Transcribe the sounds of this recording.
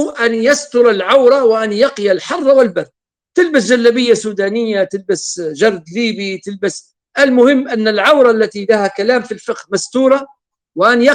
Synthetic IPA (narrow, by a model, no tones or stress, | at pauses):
ʔanjast̪ʊɾˤalʕawɾˤɑwɪʔanjɑqjalħɑrˤːɑwɪlbɪrd̪̚ | t̪ɪlbasd͡ʒalːabɪjːasuːd̪aːnɪjːat̪ɪlbasʒɑɾˤd̪liːbit̪ɪlbas | ʔalmʊhɪmːʔanːalʕawɾˤɑʔlːat̪ilahakalaːmfilfɪqhmast̪uːɾˤɑ | wɪʔanja